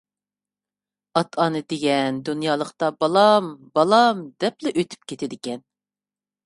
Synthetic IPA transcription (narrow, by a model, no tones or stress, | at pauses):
ɑt̪ʰɑnɨd̪eɡʲɛnd̪unjɑːlˠəqt̪ɑbɑlˠɑmbɑlˠɑmd̪ɛplɛʔøt̪ʰy̥p̚kʲet̪ʰɪd̪ɪkʲɛn